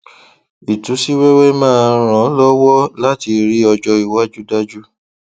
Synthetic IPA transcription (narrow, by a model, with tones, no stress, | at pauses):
i˨tũ˨˦si˦we˦we˦mãː˦˨˧ɾ̃ã˨˦lɔ˦wɔ˦la˦ti˧ɾi˦ɔ˧d͡ʒɔ˧i˨wa˦d͡ʒu˦da˦d͡ʒu˦